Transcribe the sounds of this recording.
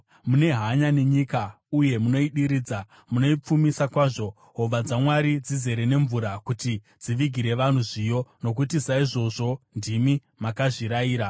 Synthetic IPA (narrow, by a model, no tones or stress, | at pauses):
mune̞ɦaɲaneɲika | uje̞muno̞iɗiɾiːd͡za | muno̞ip͡fumisakwaːʐo̞ | ɦoʋad͡zamwaɾid͡zize̞ɾe̞ne̞ɱvuɾakuti | d͡ziʋiɡʱiɾe̞ʋan̤uʐijo̞nok̬utisaiʐo̞ʐo̞ndimi | makaʐiɾaiːɾa